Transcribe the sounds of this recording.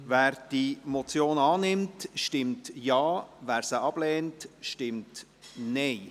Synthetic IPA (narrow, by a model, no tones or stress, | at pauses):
væːɾd̥imɔt͡sjoːnɑːnɪmtʃtɪmtjɑːvæːɾsəʔɑb̥lɛːntʃtɪmt | nɛɪ